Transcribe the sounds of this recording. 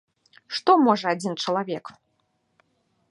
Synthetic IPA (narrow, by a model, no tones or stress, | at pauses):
ʂt̪ɔmɔʐɐad͡zʲint͡ʂɐlˠavʲɛk